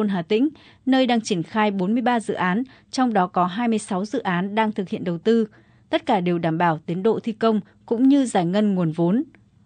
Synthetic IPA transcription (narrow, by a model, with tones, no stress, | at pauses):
o˧nɦaː˨˩t̪ḭ̈˧˥ŋ̟ | nəː˧jɗaː˧ŋt͡ɕi˧˩ənxaː˧jɓo˨˦nmɨ˧əjɓaː˧zɨ̰˧˨ʔaː˨˦n | t͡ɕɔ˧wŋ͡mɗɔ˨˦kɔ˨˦ɦaː˧jmɨ˧əjsa˨˦wzɨ̰˧˨ʔaː˨˦nɗaː˧ŋt̪ʰɨ˨˩k̚hḭ˧˨ənɗə˨˩wt̪ɨ˧ | t̪ə˦˥t̚kaː˧˩ɗe˨˩wɗaː˧˩mɓaː˧˩wt̪i˨˦ənɗo̰˧˨t̪ʰi˧kə˧wŋ͡m | kʊ̰˧˥ŋ͡mɲɨ˧zaː˧˩jŋə˧nŋu˨˩ənvo˨˦n